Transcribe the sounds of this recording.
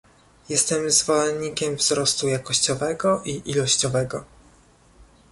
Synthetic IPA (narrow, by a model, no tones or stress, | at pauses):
jɛst̪ɛmzvɔlɛnɲːikʲɛmvzɾɔst̪ujakɔɕt͡ɕɔvɛɡɔʔiʔilɔɕt͡ɕɔvɛɡɔ